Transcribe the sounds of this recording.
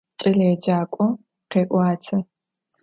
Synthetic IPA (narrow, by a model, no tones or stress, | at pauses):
t͡ʃʼɪleːd͡ʒaːkʷʼɔ | qeːʔʷɑːt͡sʰɐ